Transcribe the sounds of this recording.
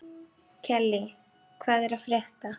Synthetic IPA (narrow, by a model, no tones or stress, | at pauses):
cʰɛlːɪ | kʰvɛːðɛɾaðfɾjɛht̪a